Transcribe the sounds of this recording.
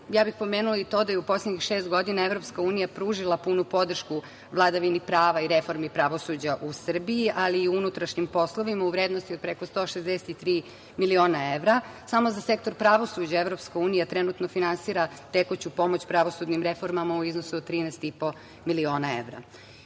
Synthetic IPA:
jaːbixpo̞meːnulait̪o̞d̪ajeupo̞slʲeɲixʃe̞ːst̪ɡo̞d̪inaevɾo̞pskauːnijapɾuːʒilˠapunupo̞d̪r̩ʃku | ʋlˠad̪aʋinipɾaːʋaiɾefo̞ɾmipɾaʋo̞sud͡ʑaʔusr̩biiʔaliːuunut̪ɾaʃɲimpo̞sloʋimauʋɾed̪nost̪iod̪̚pɾekost̪o̞ːʃezd̪eset̪it̪ɾiː | milio̞ːnaeʋɾasamo̞zase̞kt̪oɾpɾaʋo̞sud͡ʑaeʋɾo̞pskauːnijat̪ɾenut̪nofinansiːɾat̪ekot͡ɕupo̞mot͡ɕpɾaʋosud̪nimɾefo̞ɾmamauiznosuod̪̚t̪ːɾiːnɛst̪ipo̞ | milio̞ːnaḛʋɾa̰

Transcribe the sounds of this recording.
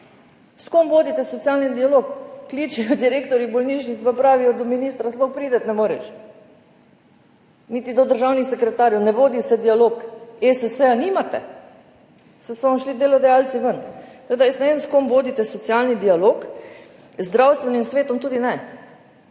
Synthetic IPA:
skomʋoːd̪it̪ɛsɔt̪sijaːlnid̪ialoːkːliːt͡ʃɛjɔd̪iɾeːkt̪ɔɾjibɔlniʃnit̪spapɾaːʋijɔd̪ɔminiːst̪ɾaslɔxpɾiːd̪ɛt̪nɛmoːɾɛ̰ʃ | nit̪id̪ɔd̪əɾʒaːwnixsɛkɾɛt̪aːɾjɔwnɛʋoːd̪isɛd̪ialoːkesɛsɛaniːmat̪ɛ̰ | sɛsɔnʃlid̪eːlɔd̪ɛjalt̪t͡s̪iʋənt̪ɐed̪ajəsnɛʋemskomʋoːd̪it̪ɛsɔt̪sjaːlnid̪ialoːk | zːd̪ɾawst̪ʋɛnimsʋeːt̪ɔmt̪uːd̪inɛ

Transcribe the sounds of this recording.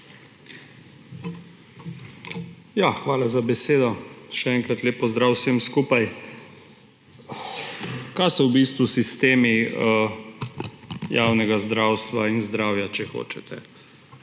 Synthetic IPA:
jaxʋaːlazabɛseːd̪ɔʃɛɛŋkɾat̪leːpːɔzd̪ɾawsemskuːpaj | kajsɔwbist̪ʋusist̪eːmi | jawnɛɡazd̪ɾaːwst̪ʋainzd̪ɾaːwjat͡ʃɛxo̰ːt͡ʃɛt̪ʰɛ

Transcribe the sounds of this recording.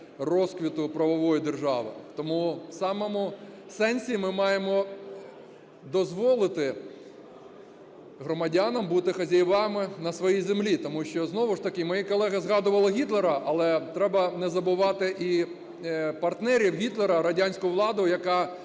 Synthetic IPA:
rɔskʋʲit̪ʊpɾɐʋɔʋɔjid̪erʒɑʋɪ̰t̪ɔmusɑmɔmʊ | sɛnʲsʲimɪmɑjemɔ | d̪ɔzʋɔlˠɪt̪ɪ | ɦɾɔmɐdʲanɐmbut̪ɪxɐzʲɐjʋɑmɪnɐsʋɔjijzemlʲit̪ɔmuʃt͡ʃɔznɔʋʊʃt̪ɐkɪmɔjikɔlˠɛɣɐzɣɑd̪ʊʋɐlˠɐɦʲit̪lˠeɾɐʔɐlˠɛt̪ɾɛbɐnɛzɐbʊʋɑt̪ɪʔi | pɐrt̪nɛɾʲiwɦʲit̪lˠeɾɐɾɐdʲanʲsʲkʊjʊʋlˠɑd̪ojɐkɑ

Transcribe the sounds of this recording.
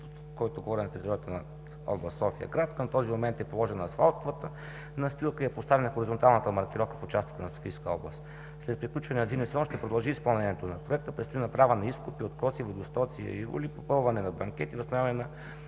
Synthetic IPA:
kɔjt̪oɡovɔɾinɐt̪ɛɾit̪ɔɾijət̪ənɐ | ɔ̰blˠəst̪sɔfiə̰ɡɾat̪kənt̪ɔzimomɛnt̪ɛpolˠɔʒɛnːɐsfalˠt̪vət̪ə | nɐst̪ilˠkəiɛpost̪avɛnɐxoɾizont̪alˠnət̪əmɐɾkʲiɾɔfkəfʊt͡ʃast̪ə̥kənɐso̥fijskəɔblˠə̰st̪ | slɛt̪̚pɾiklʲut͡ʃvɐnɛəɐzimnisɛlɔnʃt̪ɛpɾod̪ɐlˠʒiːspɐlˠnɛniɛt̪onɐpɾoɛk̚t̪əpɾɛt̪st̪ʊinɐpɾavonɐiskʊpiot̪kɔsivod̪ost̪ɔt̪siə̰iɾṵlipopɤlˠvɐnɛnɐbɐŋkʲɛt̪ivosnɐvjavɐnɛnɐ

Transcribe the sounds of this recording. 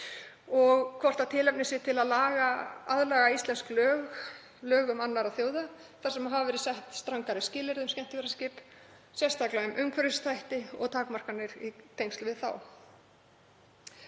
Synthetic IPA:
ɔɣkʰvɔr̥t̪at̪ʰɪːlɛpnɪsɪt̪ʰɪlaðlaːɣaaðlaːɣaist̪lɛnsklœːɣ | lœːɣʏmanːaɾaðθjowða | θaɾ̥sɛmaɦavavɛːɾɪsɛht̪st̪ɾaŋkaɾɪscɪːlɪɾðʏmscɛn̥t̪ɪvɛɾascɪːp | sjɛst̪ʰaklaʏmʔʏmkʰvœɾʏst̪ʰajht̪ɪɔ̰ɣt̪ʰaːkmar̥kanːɪɾit̪ʰejŋst̪vɪðθa̰w

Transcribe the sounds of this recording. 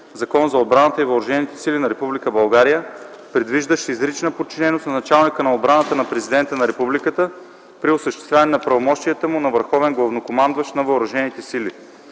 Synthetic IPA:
zɐkɔnzɐod̪̚bɾanət̪əivɐʊɾɐʒɛnit̪ɛ̥silinɐɾɛpublikəbɐlˠɡaɾijəpɾɛd̪viʒd̪əʃizɾit͡ʃnəpot̪̚t͡ʃinɛnosnɐnɐt͡ʃalˠnikənɐod̪̚bɾanət̪ənɐpɾɛzid̪ɛnt̪ənɐɾɛpublikət̪ə | pɾiʊsəʃt̪ɛ̥st̪vʲavnɛnɐpɾɐvomɔʃt̪ijət̪əmunɐvəɾxɔvɛnɡlˠɐvnokomand̪vɐʃnɐvɐʊɾɐʒɛnit̪ɛsili

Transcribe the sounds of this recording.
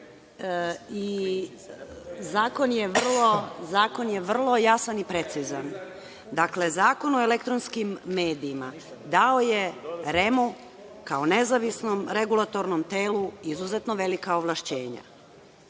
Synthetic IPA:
i | zaːko̞njeʋr̩lˠo̞zaːko̞nje̞ʋr̩lˠo̞jasanipɾe̞t̪sizan | d̪akle̞zaːko̞noele̞kt̪ɾonskimːeːd̪iːma | d̪ao̞je̞ɾe̞mu | kaone̞zaʋisnomɾe̞ɡulˠat̪o̞ɾnomt̪e̞ːluizuzet̪no̞ʋe̞likaoʋlˠaʃt͡ɕe̞̰ːɲa̰

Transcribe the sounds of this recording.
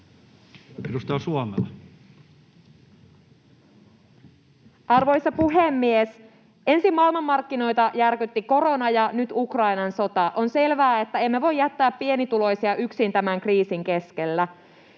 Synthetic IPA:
edust̪ɑɑsuɑmḛlːˑɑ | ɑrʋo̞jsɑpuɦemːies | e̞nsimːɑilmɑmːɑrkːino̞jt̪ɑjærkyt̪ːiko̞ɾo̞nɑjɑnyt̪ukrɑinɑnso̞t̪ɑʔo̞nse̞lʋæːe̞t̪ːæemːeʋo̞jːæt̪ːæːpːie̞nit̪ulo̞jsiɑʔyksint̪æmæŋkriːsiŋkeske̞lːæ

